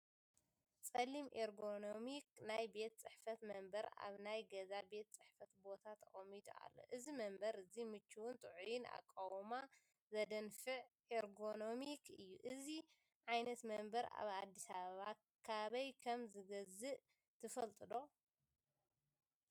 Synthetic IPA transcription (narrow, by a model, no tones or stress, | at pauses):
t͡sʼɐlimʔeɾɡo̞no̞miknajbe̞t̪̚t͡sʼɨħfɐt̪mɐmbɐɾa̰βnajɡɐzabe̞t̪̚t͡sʼɨħfɐt̪bo̞t̪ʰat̪ʰɐχʼɐmid̪ṵa̰lːo̞̰ʔɨzimɐmbɐɾɨzimɨt͡ʃːuwunt̪ʼɨʕujɪna̰kʼːawma | zɐd̪ɐnfɨʕ | eɾɡo̞no̞mikʰɨjːuʔɨzi | ʕajnɐt̪mɐmbɐɾa̰βa̰d̪ːisaβɐβa | kʰaβɐjkʰɐmzɨɡɐzɨʔ | t̪ʰɨfɐlt̪ʼɨd̪o̞